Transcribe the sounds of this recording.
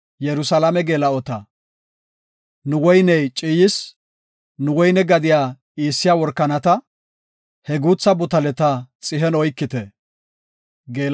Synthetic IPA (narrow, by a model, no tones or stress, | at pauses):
jɛɾʊsɐlɐmɛɡeːlɐɔt̪ɐ | nʊwɔjnɛjt͡ʃʼiːjɪs | nʊwɔjnɛɡɐd̪ɪjaː | iːsːɪjaːwɔɾkːɐnɐt̪ɐ | hɛɡuːt͡sːɐbʊt̪ɐlɛt̪ɐt͡sʼɪɦɛnɔjkːɪt̪ɛ | ɡeːl